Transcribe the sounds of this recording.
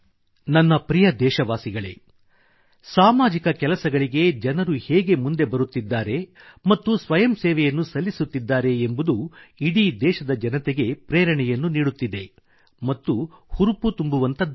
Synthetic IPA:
nɐnːɐpɾijɐd̪ɛːʃɐʋaːsiɡɐɭe̞̰ | saːmaːd͡ʒikɐkɛlɐsɐɡɐɭiɡe̞d͡ʒɐnɐɾuhɛːɡe̞mund̪e̞bɐɾut̪ːid̪ːaːɾe | mɐt̪ːusʋɐjɐmsɛːʋɛjɐnːusɐlːisut̪ːid̪ːaːɾe̞ːmbud̪uiɽid̪ɛːʃɐd̪ɐd͡ʒɐnɐt̪ɛɡe̞pɾɛːɾɐɳɛjɐnːuniːɽut̪ːid̪e̞ | mɐt̪ːuhuɾuput̪umbuʋɐnt̪ɐd̪

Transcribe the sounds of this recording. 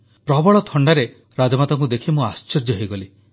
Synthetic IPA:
pɾɔbɔɭɔt̪ʰɔɳɖaɾe | ɾad͡ʒɔmat̪ɔŋkud̪ekʰimuast͡ʃeɾd͡ʒɔɦejɡɔli

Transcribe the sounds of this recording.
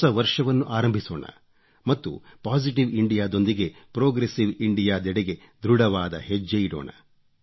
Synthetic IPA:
ɐʋɐɾʂɐʋɐnːuʔaːɾɐmbʱisoːɳɐ̰ | mɐt̪ːṵpaːsiʈiʋiɳɖijaːd̪o̞nd̪iɡe̞pɾoːɡɾesiʋiɳɖijaːd̪ɛɽeɡe̞ | d̪ɾuɽɐʋaːd̪ɐ̰ɦed͡ʒːejiɽɔ̰ːɳɐ̰

